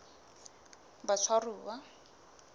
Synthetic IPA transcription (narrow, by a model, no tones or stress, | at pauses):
bat͡sʰwaruːwa